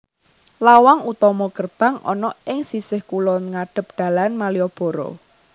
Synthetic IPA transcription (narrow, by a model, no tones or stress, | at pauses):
lawaŋut̪ɔmɔkərb̥ä̤ŋɔ̰nɔʔɪŋsisɪhkulɔnŋaɖ̥ə̤p̚d̪̥a̤lanmaliɔb̥ɔ̤ɾɔ̰